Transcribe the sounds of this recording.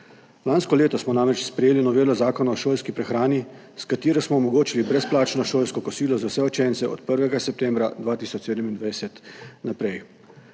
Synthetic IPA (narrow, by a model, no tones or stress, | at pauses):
laːnskɔleːt̪ɔsmɔnaːmɾɛt͡ʃspɾɛjeːlinɔʋeːlɔzaːkɔnɔɔʃoːlskipɾɛxɾaːni | skat̪eːɾɔsmɔːmɔɡoːt͡ʃilibɾɛsplaːt͡ʃnɔʃoːlskɔkɔsiːlɔzawsɛɔt͡ʃɛnsɛɔ̰t̪pəɾʋɛɡasɛp̚t̪ɛːmbɾad̪ʋaːt̪iːsɔt͡ʃseːd̪əmind̪ʋajsɛt̪napɾɛj